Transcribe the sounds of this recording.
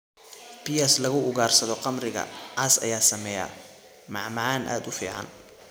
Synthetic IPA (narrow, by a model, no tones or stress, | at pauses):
pʰiɐslɐɣʊʊɣaːrsɐðɔqɑmrɪɣɐ̰ʕɑsɐ̰jaːsɐmɛja̰ː | mɑʕmɑʕɑːnʔa̰ːd̪ʊfḭːʕɑ̰n